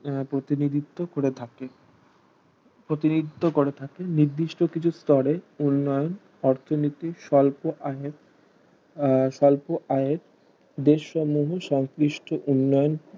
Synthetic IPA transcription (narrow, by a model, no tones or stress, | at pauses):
pɾot̪inid̪it̪ːokoɾet̪ʰake | pɾot̪inid̪it̪ːokoɾet̪ʰakeniɾd̪iʃʈokit͡ɕʰust̪ɔɾeunːɔjon | ɔɾt̪ʰonit̪iʃɔlpoʔaeɾ | ʃɔlpoʔaeɾ | d̪eʃːɔmuɦʃɔŋsɾiʃʈʰoʔunːɔjon